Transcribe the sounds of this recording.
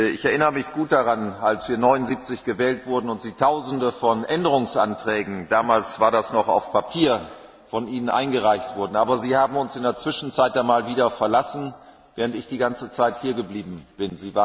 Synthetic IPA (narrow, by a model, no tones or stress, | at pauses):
ɪçɛɐʔɪnəʁəmɪçɡ̥uːt̚d̥aʁanalsv̥iːɐnɔʏnʊnziːp̚t͡sɪçɡ̥əvɛːltv̥ʊɐdn̩ʊntz̥iːtʰaʊzn̩dəfɔnʔɛndəʁʊŋsʔa̰ntʁ̥ɛːɡŋ̩daːmaːlsv̥aːɐdasnɔχa̰ʊfpʰapʰiːɐ | fɔnʔiːnənʔa̰ɪnɡəʁaɪçtv̥ʊɐdn̩ʔaːbɐziːhaːbm̩ʊnsɪndeːɐt͡sv̥ɪʃn̩t͡saɪt̚d̥anmaːlviːdɐfɛɐlasn̩ | vɛːʁəntɪçd̥iːɡant͡sət͡saɪthiːɐɡəbliːbm̩b̥ɪnziːvaː